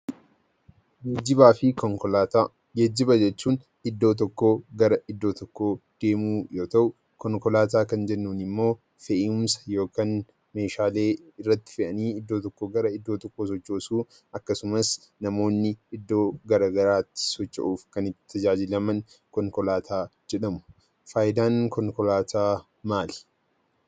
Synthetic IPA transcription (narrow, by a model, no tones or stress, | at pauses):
ɪbaːfɪ | d͡ʒɛd͡ʒːɪbɐd͡ʒɛt͡ʃːuːn | ɪd̪ːo̞ːt̪̬ɔkːoːɡɐɾɐʔɪd̪ːo̞ːt̪ɔkːo̞ːd̪̥e̞ːmuːjo̞ːt̪ɐʔʊ | kɔŋkɔlaːt̪̬aːkɐnd͡ʒɛnːuːnɪmːo̞ː | fɛʔɪʊmsɐ̥jo̞ːkan | me̞ːʃaːle̞ːɪrːɐt̪ːɪ̥fɪʔɐniːɪd̪ːo̞ːt̪ɔkːoːɡɐɾɐɪd̪ːo̞ːt̪ɔkːoːs̬ɔt͡ʃːo̞ːsuː | ɐkːɐsʊmɐs | nɐmo̞ːnːɪːd̪ːo̞ːɡɐɾaːɡɐɾaːt̪ːɪ̥sɔt͡ʃːɐ̰ʔuːfkɐnɪtt̪ʰːɐd͡ʒaːd͡ʒɪlɐmɐn | kɔŋkɔlaːt̪ʰaːd͡ʒɛᶑɐmʊ̥ | faːjɪd̪aːŋkɔŋkɔlaːt̪ʰaː | maːlɛ̥